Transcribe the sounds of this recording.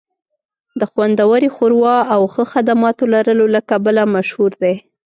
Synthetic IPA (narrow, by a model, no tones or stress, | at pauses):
d̪əxwand̪awəɾixoɾwɑawxəxad̪amɑt̪olaɾəlolakabalamaʃhuɾd̪e